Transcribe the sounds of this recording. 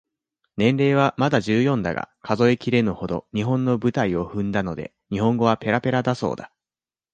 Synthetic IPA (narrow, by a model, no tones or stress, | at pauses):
nẽ̞nɾe̞ːβ̞amad̪aʑɨːjõ̞nd̪a̰ɡa̰kʰazo̞ekʲiɾe̞nɯho̞d̪o̞̰ɲ̟iɦõ̞nːo̞bɯ̟t̪aio̞ɸɯ̟̃nd̪ano̞d̪e̞̰ | ɲ̟iɦõ̞ŋɡo̞β̞ape̞ɾape̞ɾad̪aso̞̰ːd̪a